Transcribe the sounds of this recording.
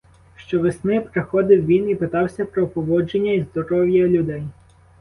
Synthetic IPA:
ʃt͡ʃɔʋesnɪpɾexɔd̪ɪwʋʲinipɪt̪ɑwsʲɐpɾɔpɔʋɔd͡ʒenʲːɐizd̪ɔɾɔwjɐlʲʊd̪ɛj

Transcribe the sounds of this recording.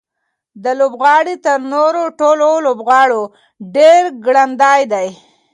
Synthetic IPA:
d̪əlobɣɑɽit̪əɾnoɾoʈololobɣɑɽo | ɖeɾɡɽand̪ɑjd̪aj

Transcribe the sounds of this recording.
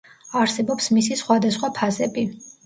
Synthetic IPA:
aɾsɛbɔpsmisisχwad̪asχwapʰazɛbi

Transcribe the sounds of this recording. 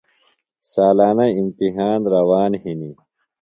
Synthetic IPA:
saːlaːnɐimt̪iɦaːnɾɐwaːnhini

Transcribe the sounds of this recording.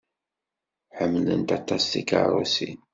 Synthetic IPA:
ħəmːlə̰nt̪ɑt̪ˤːɑsθika̰ɾˤusḭn

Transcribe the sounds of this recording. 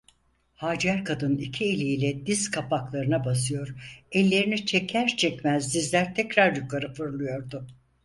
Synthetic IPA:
haːd͡ʒæɾkʰad̪ɯnicʰielʲiilʲɛd̪izkʰapʰaklˠaɾɯnabas̬ɯjo̞ɾɛlʲːe̞ɾinit͡ʃʰɛcʰæɾt͡ʃʰɛcmæzd̪izlʲæɾt̪ʰɛcɾaɾjukʰaɾɯfɯɾlˠɯjo̞ɾd̪ʊ

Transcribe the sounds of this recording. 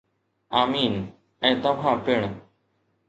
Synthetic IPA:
aːmiːn | ɛ̃ːt̪ɐʋ̤ãːpɪɳ̃

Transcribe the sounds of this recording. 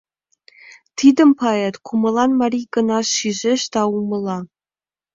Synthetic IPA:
t̪ʰid̪ə̆mpʰɑet̪kʰumɤ̆lˠɑnmɑɾʲiɡɤ̆nɑʃiʒeʃt̪ɑumɤ̆lˠɑ

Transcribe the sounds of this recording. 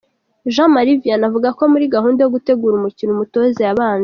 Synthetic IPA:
ʒãmaɾivijanavuɡako̞muɾiɡaɦuːndajoɡute̞ɡuːɾumucinumuto̞zejaβaːnze

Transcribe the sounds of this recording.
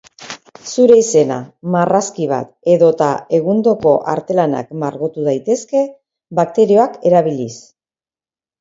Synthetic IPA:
suɾe̞ise̞na̰maraskiβ̞a̰t̪e̞ðo̞t̪ae̞ɣund̪o̞ko̞ʔa̰ɾt̪e̞lana̰kmaɾɣot̪uð̞ajt̪e̞ske̞ | βak̚t̪e̞ɾio̞ake̞ɾaβilis

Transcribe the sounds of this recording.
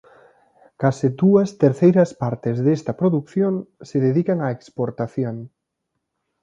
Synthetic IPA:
kasɪd̪uɐst̪eɾθejɾɐspaɾt̪ɪzðest̪ɐpɾoðukθjoŋseðeðikɐŋaekspoɾt̪aθjoŋ

